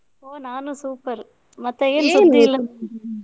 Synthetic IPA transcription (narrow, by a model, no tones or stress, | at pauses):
oːnaːnũsuːpɐɾ | mɐt̪ːeeːnːnd̪ilːɐ